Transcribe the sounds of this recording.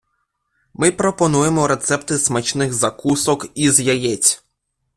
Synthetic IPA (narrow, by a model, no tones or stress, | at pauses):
mɪpɾɔpɔnujemɔɾe̞t̪sɛpt̪ɪsmɐt͡ʃnɪxzɐkusɔkizjɐjɛt͡sʲ